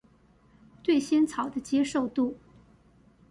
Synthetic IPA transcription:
t̪we˥˩ɪɕjɛ˥nt͡sʰɑ˨˩ʊd̪ə˦t͡ɕjɛ˥ʂo˥˧ʊt̪u˥˩

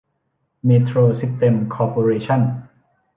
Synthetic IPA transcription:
miː˧t̪ʰɾuː˧si˦˥st̪e˧mkʰɔː˧poː˧ɾeː˧t͡ɕʰa˥˩n

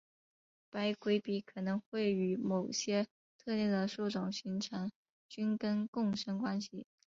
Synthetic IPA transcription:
pa˥ɪkwe˥ɪpi˥kʰɤ˨˩nɤ˧˥ŋxwe˥˩ɪy˧˥mo˨˩ʊɕjɛ˥ | t̪ʰɤ˥˧t̪jɛ˥˩nd̪ə˩ʂu˥˩ʈ͡ʂʊ˨˩ŋɕy˧˥nʈ͡ʂʰa˧˥ŋ | t͡ɕy˥nkə˥nkʊ˥˩ŋʂə˥ŋkwa˥nɕḭ˨˩

